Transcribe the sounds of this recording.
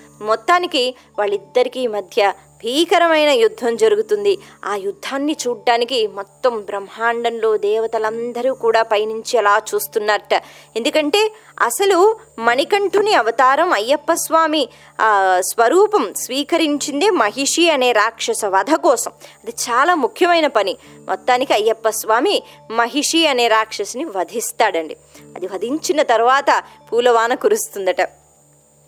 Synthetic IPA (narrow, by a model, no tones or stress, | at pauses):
mɔt̪ːaːniki | ʋaːɭːid̪ːɐɾikiːmɐd̪ʱjɐ | bʱiːkɐɾɐmɐjnɐjud̪ʱːɐmd͡ʒɐɾuɡut̪und̪iaːjud̪ʱːaːnːit͡ʃuːɽɖːaːnikimɔt̪ːɐmbɾɐmhaːɳɖɐnloːd̪ɛːʋɐt̪ɐlɐnd̪ɐɾuːkuːɽaːpɐjniɲt͡ʃiɛlaːt͡ʃuːst̪unːaːɾɐʈɐe̞nd̪ukɐɳʈe̞ː | ɐ̰sɐlu | mɐnikɐɳʈuniɐʋɐt̪aːɾɐmɐjːɐpːɐsʋaːmi | sʋɐɾuːpɐmsʋiːkɐɾiɲt͡ʃind̪eːmɐɦiʂiɐne̞ːɾaːkʂɐsɐʋɐd̪ʱɐkɔːsɐmɐd̪it͡ʃaːlaːmukʰjɐmɐjnɐpɐni | mʔɔ̰t̪ːaːnikiɐjːɐpːɐsʋaːmi | mɐɦiʂiɐne̞ːɾaːkʂɐsɐniʋɐd̪ʱist̪aːɽɐɳɖi | ɐd̪iʋɐd̪ʱiɲt͡ʃinɐt̪ɐɾuʋaːt̪ɐpuːlɐʋaːnɐkuɾust̪und̪ɐʈɐ